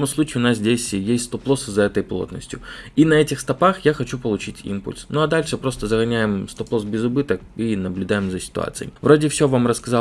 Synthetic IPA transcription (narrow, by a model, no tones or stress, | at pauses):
omʊslˠut͡ʃiːʊnaszʲdʲesʲjesʲtʲst̪ɔplˠosɨzɐɛt̪əjplˠo̰t̪nə̰sʲtʲjʊinɐɛtʲɪxst̪ɐpaxjaxɐt͡ɕupəlˠʊt͡ɕitʲḭmpʊ̰lʲsnuɐd̪alʲʂɛpɾost̪əzɐɣɐnʲajɪmst̪ɔplˠosbʲɪzʊbɨt̪əkinɐblʲʊd̪ajɪmzɐsʲɪ̥t̪ʊ̰a̰t̪sɨj̰vɾodʲɪfsʲovamrɐskɐzɑ